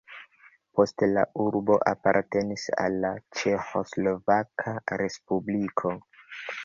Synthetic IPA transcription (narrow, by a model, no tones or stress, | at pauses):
po̞stela̰ʔuɾbo̞ʔapaɾte̞nisa̰lːat͡ʃe̞xo̞slo̞vakʰaɾe̞spublikʰo̞